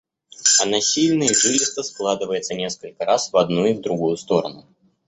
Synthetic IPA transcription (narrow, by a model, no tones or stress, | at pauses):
ɐnasʲilʲnɨjəʐɨlʲɪst̪vəsklˠad̪ɨvəjɪt̪sənʲeskəlʲkəɾasvad̪̚nuivd̪ɾuɡujʊst̪oɾə̰nʊ